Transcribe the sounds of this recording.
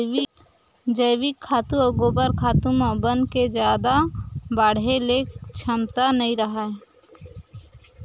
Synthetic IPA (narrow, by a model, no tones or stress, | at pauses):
d͡ʒəjwikʰːaːt̪ũəɡoːbəɾkʰaːt̪umɔbənd̪ked͡ʒjaːd̪abaːɽ̤elekt͡ʃʰəmt̪anəĩɾəɦa